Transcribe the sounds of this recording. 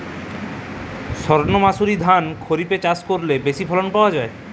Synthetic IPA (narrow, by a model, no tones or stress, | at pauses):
ʃɔɾnomasuɾid̪ʱankʰoɾipet͡ɕaskoɾlebeʃipʰɔlonpaoad͡ʑae